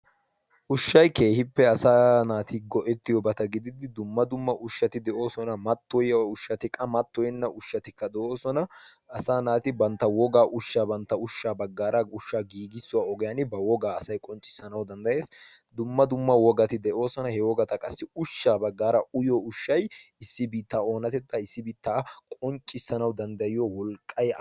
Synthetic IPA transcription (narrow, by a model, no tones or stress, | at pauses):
ʔʊʃːɐjke̞ːhɪpːɛɐsaːnaːt̪ɪɡɔʔɛt̪ːɪjɔbɐt̪ɐɡɪd̪ɪd̪ɪd̪ʊmːɐd̪ʊmːɐʔʊʃːɐt̪ɪd̪ɛʔo̞ːsɔnɐmɐt̪ːɔjɐʊʃːɐt̪ɪkʼɐmɐt̪ːɔjɪnːɐʔʊʃːɐt̪ɪkːɐd̪ɛʔo̞ːsɔnɐ | ɐsaːnaːt̪ɪbɐnt̪ːɐwɔɡaːʔʊʃːaːbɐnt̪ːɐʊʃːaːbɐɡːaːɾɐʊʃːaːɡiːɡɪsːʊwaːɔɡɛjanɪbɐwɔɡaːɐsɐjkʼɔnt͡ʃʼːɪ̥sːɐnɐwd̪ɐnd̪ɐje̞ːsd̪ʊmːɐd̪ʊmːɐwɔɡɐt̪ɪd̪ɛʔo̞ːsɔnɐhɛwɔɡɐt̪ɐkʼɐsːɪʊʃːaːbɐɡːaːɾɐʊjɔʊʃːɐjɪsːɪbiːt̪ːaːo̞ːnɐt̪ɛt̪ːɐɪsːɪbiːt̪ːaːkʼɔnt͡ʃʼːɪsːɐnɐwd̪ɐnd̪ɐjɪjɔwɔlkʼːɐj